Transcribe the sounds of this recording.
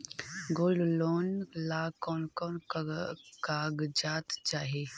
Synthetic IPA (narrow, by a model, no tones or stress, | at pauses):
ɡoːlloːnlaːkɔːnkɔːn | kaːɡd͡ʒaːt̪t͡ʃaːɦe